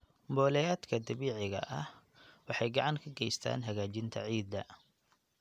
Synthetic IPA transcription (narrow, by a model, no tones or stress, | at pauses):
mbɔːlɛjaːd̪kʰɐd̪ɐβiːʕɪɣɐ̰ʔɐh | wɑħɑjɡɑʕɑŋkʰɐɡɛjst̪ʰa̰ːnɦɐɣaːt͡ʃɪnt̪ʰɐ̰ʕiːd̪ːɐ̰